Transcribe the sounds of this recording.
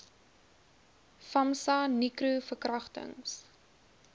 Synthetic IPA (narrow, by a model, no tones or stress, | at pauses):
fɐmsɑnikɾufərkrɐχtə̰ŋs